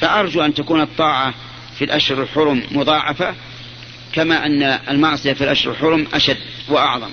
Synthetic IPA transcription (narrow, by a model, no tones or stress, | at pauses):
faʔɑɾˤd͡ʒuʔant̪akuːnɨt̪ˤːɑːʕɑ | filʔaʃɾɪlħʊɾmːʊðˤɑːʕɑfa | kamaːʔanːaalmɑʕsˤɨjafilʔaʃɾɪlħʊɾmʔaʃad̪ːwaʔɑʕðˤɑm